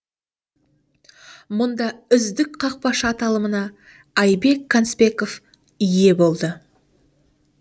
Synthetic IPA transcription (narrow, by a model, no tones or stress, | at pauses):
mʊnd̪ɑʏzd̪ɪkqʰɑq̚pɑʃɑt̪ɑlˠəmənɑ | ɑjbe̞kʰːanspe̞kof | ʏje̞bo̞lˠd̪ə